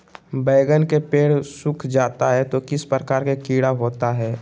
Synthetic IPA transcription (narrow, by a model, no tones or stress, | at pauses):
bɛːɡənkepeːɽsʊkʰd͡ʒaːt̪aɦɛt̪okɪspɾəkaːɾkekiːɽaɦoːt̪aɦɛː